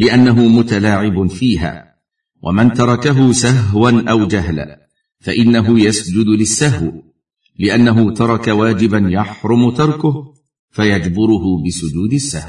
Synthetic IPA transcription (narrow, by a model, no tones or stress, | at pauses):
lɪʔanːaɦʊmʊt̪alaːʕɪbʊfiːha̰ː | wʔa̰mant̪ɑɾˤɑkaɦʊsaɦwanʔawd͡ʒaɦl | faʔɪnːaɦʊjasd͡ʒʊd̪lɪsːaɦw | lɪʔanːaɦʊt̪ɑɾˤɑkawaːd͡ʒɪbanjaħɾˤʊmʊt̪ɑɾˤkʊh | fajad͡ʒbʊɾʊɦʊbɪsʊd͡ʒuːd̪ɪsːahw